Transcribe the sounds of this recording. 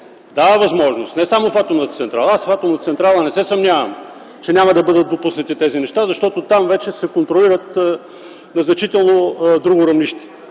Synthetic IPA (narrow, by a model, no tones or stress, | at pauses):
d̪avəvɐzmɔʒnost̪nɛsamofat̪omnət̪t̪sɛnt̪ɾalˠɐasfat̪omnət̪t̪sɛnt̪ɾalˠənɛsɛsɐmnʲavɐ̰m | t͡ʃɛnʲamɐd̪ɐbɤd̪ət̪̚d̪opusnɐt̪it̪ɛzinɛʃt̪azɐʃt̪ɔt̪ot̪amvɛt͡ʃɛsɛkont̪ɾoliɾət̪ | nɐznɐt͡ʃit̪ɛlˠnod̪ɾuɡʊɾɐvniʃt̪ɛ̥